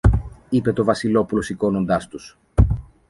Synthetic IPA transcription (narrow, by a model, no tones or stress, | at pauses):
ipe̞t̪o̞vɐsilo̞pulo̞siko̞no̞nd̪ɐst̪us